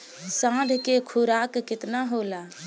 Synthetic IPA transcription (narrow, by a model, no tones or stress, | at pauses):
sãd̪ʱkekʰuɾakːɪt̪naɦola